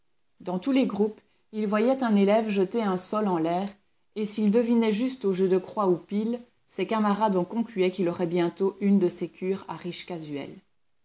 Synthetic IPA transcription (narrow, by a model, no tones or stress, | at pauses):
d̪ɑ̃t̪uleɡʁup | ilvwajɛt̪ɛ̃nelɛvʒət̪eɛ̃sɔlɑ̃lɛːʁ | esild̪əvinɛʒyst̪oʒød̪əkχwaupil | sɛkamaʁad̪ɑ̃kɔ̃klyɛkilɔʁɛbjɛ̃t̪oʔynd̪əsekʰʲyːʁa̰ʁiʃkazyɛ̰l